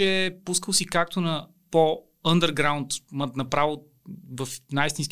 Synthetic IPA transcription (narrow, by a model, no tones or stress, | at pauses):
ɛpuskəlˠsikak̚t̪onɐ | po | ənd̪əɾɡɾaʊnt̪mət̪nɐpɾavo | vəfnajist̪insk